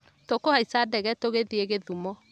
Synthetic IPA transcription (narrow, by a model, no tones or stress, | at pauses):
tokohaisadɛɣɛtoɣeðieɣeðumɔ